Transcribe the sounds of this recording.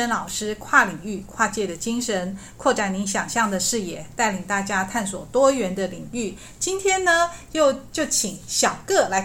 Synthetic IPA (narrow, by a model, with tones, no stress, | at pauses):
ə˧˥nlɑ˨˩ʊʂɻ̩˥kʰwa˥˩li˨˩ŋy˥˩kʰwa˥˧t͡ɕjɛ˥˩d̪ə˩t͡ɕi˥ŋʂə˧˥nkʰwɔ˥˩ʈ͡ʂa˨˩nni˧˥ŋɕjɑ˨˩ŋɕjɑ˥˩ŋd̪ə˩ʂɻ̩˥˧jɛ˥˩t̪a˥˩ɪli˨˩ŋt̪a˥˩t͡ɕja˥t̪ʰa˥˩nswɔ̰˨˩t̪wɔ˥ɥɛ˧˥nd̪ə˧li˨˩ŋy˥˩ | t͡ɕi˥nt̪ʰjɛ˥nnə˧jo˥˧ʊt͡ɕjo˥˩ʊt͡ɕʰi˨˩ŋɕjɑ˨˩ʊkɤ˥˩la˧˥